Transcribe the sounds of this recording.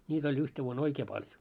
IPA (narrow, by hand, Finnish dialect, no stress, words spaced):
nʲiːt olʲ yhte ʋuon oikeː pɑljo